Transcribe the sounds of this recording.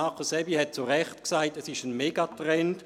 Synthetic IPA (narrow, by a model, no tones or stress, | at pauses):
ɑχəsɛbihɛt̚t͡suʁɛχtksaɪtɛsɪʃənmeːɡatʁɛnt